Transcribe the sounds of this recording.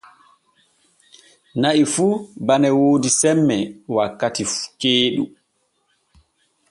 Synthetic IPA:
naʔifuːbanɛwoːdisɛmːɛwakːatikeːɗu

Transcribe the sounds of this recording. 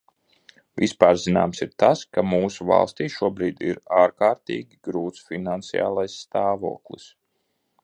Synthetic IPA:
vispaːɾzina̰ːmsiɾt̪askamuːsuva̰lˠst̪iːʃuɔbɾiːd̪ḭɾaːɾkaːɾt̪ḭːɡʲiɡɾuːt̪sfinant̪sia̰ːlˠajsːt̪aːvṵɔklˠḭs

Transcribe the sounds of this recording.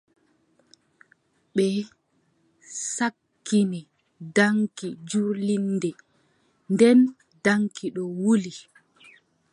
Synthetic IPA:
ɓɛ | sakːinɛ | daŋkid͡ʒuɾlinːdɛ | ndɛn | daŋkʰiɗɔwuli

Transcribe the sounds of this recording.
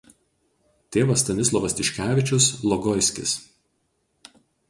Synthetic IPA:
t̪ʲeːʋɐst̪ɐnʲɪs̬lˠɔʋɐst̪ʲɪʃʲkʲæːʋʲɪt͡ʃʲʊslˠɔɡɔɪsʲkʲɪ̰s

